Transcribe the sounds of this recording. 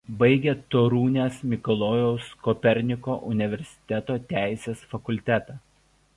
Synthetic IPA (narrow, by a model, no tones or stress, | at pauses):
bɐɪɡʲeːt̪oːɾuːnʲeːsmʲɪkɔlˠɔːjɛʊskɔpʲɛɾʲnʲɪkoːʔʊnʲɪʋʲɛɾʲsʲɪ̥t̪ʲɛt̪oːt̪ʲæˑɪsʲeːsfɐkʊlʲt̪ʲæt̪ɑː